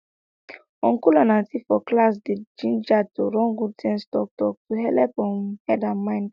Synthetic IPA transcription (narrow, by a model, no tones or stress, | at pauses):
ɔ̃nkulɔnaltifɔklas̬ded͡ʒĩnd͡ʒatoɾɔ̃nɡud̚tʰɛ̃nstɔk̚tɔk̚tuɦɛlɛpɔ̃nhɛdãmãɪ̃nd